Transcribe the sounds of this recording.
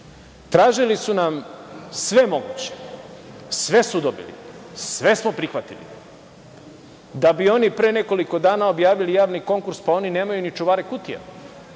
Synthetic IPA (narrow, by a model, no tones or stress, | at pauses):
t̪ɾaːʒilisunamsʋe̞mo̞ɡṵːt͡ɕe̥ | sʋe̞sud̪o̞bḭlḭsʋe̞smo̞pɾixʋat̪ilḭ | d̪abio̞nipɾe̞ːne̞ko̞liko̞d̪aːnao̞bjaːʋilijaːʋniko̞ŋkuɾspao̞nine̞ːmajunit͡ʃuʋaɾekut̪ija̰